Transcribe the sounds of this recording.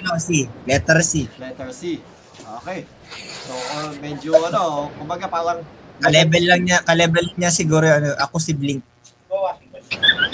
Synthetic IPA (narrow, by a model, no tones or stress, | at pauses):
ɐnosilɛt̪ɛɾsilɛt̪ɛɹsi | ʔokɛj | soʔamɛd͡ʒoɐnokʊmbɐɡapaːɾɐŋkɐlɛbɛlːɐŋɲakɐlɛbɛlɐŋɲasɪɡuːɾoɐnoʔɐkosɪblɪŋk̚